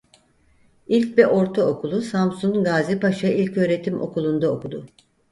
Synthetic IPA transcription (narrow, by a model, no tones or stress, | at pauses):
ilʲcvɛʔo̞ɾt̪ʰaokulˠusamsuŋɡaːzipaʃaʔilʲcø̞ːɾe̞t̪ʰimʔo̞̰kulˠund̪aokud̪ʊ